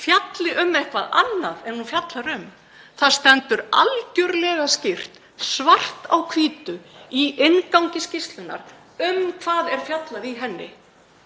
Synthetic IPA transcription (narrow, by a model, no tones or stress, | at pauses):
fjat̪lɪʔʏmehkvaða̰nːaðɛnhunfjat̪laɾʏm | θaðst̪ɛnt̪ʏɾalcʏɾlɛɣascɪr̥t̪ | svar̥t̪a̰wkʰviːt̪ʏiɪnkawŋcɪscɪst̪lʏnːa̰ɾ | ʏmkʰvaːðɛɾ̥fjat̪laðiɦɛnːɪ̰